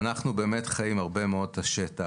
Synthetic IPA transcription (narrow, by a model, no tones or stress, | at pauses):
naχnube̞ːme̞tχajimaʁbe̞meo̞d̚taʃeta